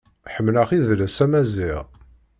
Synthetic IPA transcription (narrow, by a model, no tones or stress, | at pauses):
ħəmːlaqiðlæsæmæziʁ